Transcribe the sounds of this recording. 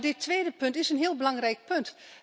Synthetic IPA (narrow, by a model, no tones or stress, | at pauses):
dɪtʰʋeːdəpʏntɪsənɦiəlˠbəlɑŋrɛjk̚pønt